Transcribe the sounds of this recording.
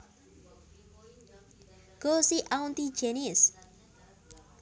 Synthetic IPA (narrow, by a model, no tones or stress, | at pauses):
ɡosiʔawnt̪id͡ʒenis